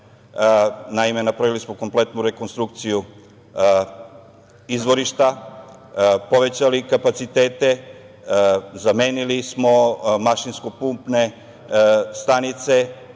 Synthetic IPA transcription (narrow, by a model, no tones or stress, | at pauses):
naime̞napɾaʋilismo̞ko̞mple̞t̪nuɾe̞ko̞nst̪ɾuk̚t̪siju | izʋo̞ɾiʃt̪a | po̞ʋe̞t͡ɕalikapat̪sit̪e̞ːt̪e̞ | zame̞ːnilismo̞maʃinsko̞pumpne̞ | st̪anit̪se̞